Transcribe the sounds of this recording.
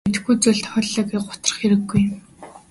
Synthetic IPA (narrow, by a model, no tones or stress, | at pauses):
et̪̆xɡujt͡sʊɮt̪ʰxɮːə̆kiːɢʊ̥t̪ə̥̆rχeɾɘ̆ɡːuj